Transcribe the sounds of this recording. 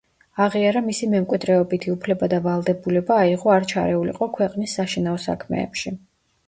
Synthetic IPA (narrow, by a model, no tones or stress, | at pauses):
aʁiaɾamisimɛmkʼwid̪ɾɛɔbit̪ʰiupʰlɛbad̪avalˠd̪ɛbulɛbaːiʁɔaɾt͡ʃʰa̰ɾɛulḭqʼɔkʰwɛqʼnisːaʃinaɔsa̰kʰmɛ̰ːpʃi